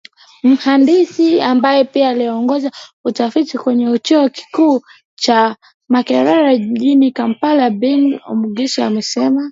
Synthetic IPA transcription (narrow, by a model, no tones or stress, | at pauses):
m̩handisiambajɛpiaːliɔŋɡɔzautafitikwɛɲɛut͡ʃɛɔki̥kuː | t͡ʃa | makɛɾaɾaʄinikampalabɛŋɡɔ̰muɡɛsia̰mɛsɛma